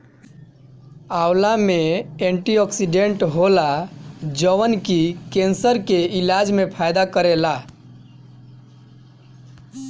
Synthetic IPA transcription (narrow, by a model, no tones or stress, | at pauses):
awlameeɳʈiɔksiɖeɳʈɦolad͡ʒəʋənkikensəɾkeilad͡ʒmepʰajd̪akəɾela